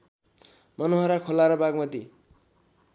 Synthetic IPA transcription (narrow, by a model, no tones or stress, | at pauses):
mʌnoɦʌɾakʰolaɾʌbaɡmʌd̪i